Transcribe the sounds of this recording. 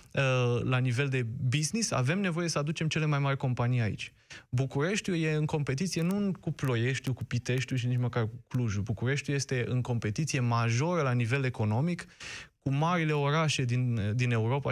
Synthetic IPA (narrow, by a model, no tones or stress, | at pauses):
əlanive̞ld̪e̞biznisa̰ve̞mne̞vo̞je̞səad̪ut͡ʃe̞mt͡ʃe̞le̞majmarʲko̞mpanijaḭt͡ʃʲ | bukuɾe̞ʃt̪ʲjuje̞ɨŋko̞mpe̞t̪it̪sije̞nukuplo̞je̞ʃt̪jukupit̪e̞ʃt̪ʲuʃinit͡ʃməkarkukluʒubukuɾe̞ʃt̪juje̞st̪e̞ʔɨŋko̞mpe̞t̪it̪sije̞maʒo̞ɾəlanive̞le̞ko̞no̞mikkumaɾile̞o̞ɾaʃe̞d̪ind̪ine̞uɾo̞pa